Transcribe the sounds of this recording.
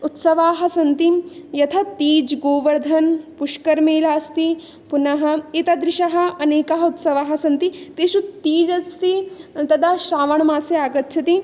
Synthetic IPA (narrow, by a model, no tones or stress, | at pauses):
ut̪sɐʋaːɦɐ̆sɐnt̪ijɐt̪ʰɐt̪iːd͡ʒɡoːʋɐɾd̪ʱɐnpuʂkɐɾmeːlaːst̪i | punɐɦɐ̆it̪ɐd̪ɾɪʃɐɦɐ̆ɐneːkɐɦɐut̪sɐʋaːɦɐ̆sɐnt̪it̪iːʃut̪iːd͡ʒɐst̪it̪ɐd̪aʃɾaːʋɐɳ̃maːseaːɡɐt̪ːt͡ʃʰɐt̪i